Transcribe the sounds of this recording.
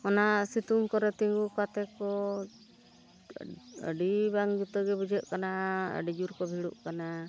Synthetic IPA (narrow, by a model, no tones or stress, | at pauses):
ɔnasit̪uŋkɔɾɛt̪iŋɡukat̪ɛkɔ | ə̰ɖibaŋd͡ʒut̪əɡɛbəd͡ʒəʔkanaə̰ɖid͡ʒuɾkɔbʱiɽuʔkana